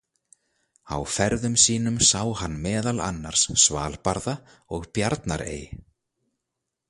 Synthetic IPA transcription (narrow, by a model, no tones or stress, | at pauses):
a̰wfɛɾðʏmsiːnʏmsaːwhanːmɛːðala̰nːaɾ̥sːva̰ːlpaɾða | ɔɣpjaɾt̪naɾḛːj